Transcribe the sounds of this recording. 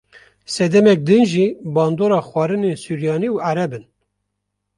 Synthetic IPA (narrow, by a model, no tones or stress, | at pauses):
sɛd̪ɛmɛk̚d̪ɨnʒiːbɑːnd̪oːɾɑːxwɑːɾɨneːsuːɾjɑːniuaɾɛbɨn